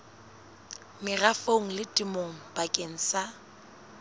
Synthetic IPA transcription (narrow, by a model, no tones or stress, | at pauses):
mɪrafoŋ̩lɪtʼimoŋ̩bakʼeŋ̩sa